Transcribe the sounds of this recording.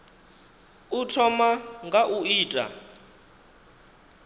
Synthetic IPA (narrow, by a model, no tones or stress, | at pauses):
utʰɔmaŋɡaʔuiːtʼa̰